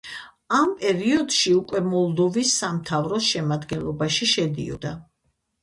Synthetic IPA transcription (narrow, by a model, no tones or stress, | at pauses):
ampʼɛɾiɔd̪ʃiukʼwɛmɔlˠd̪ɔvisːamt̪ʰavɾɔʃɛmad̪ɡɛnlˠɔbaʃiʃɛd̪ḭɔ̰d̪a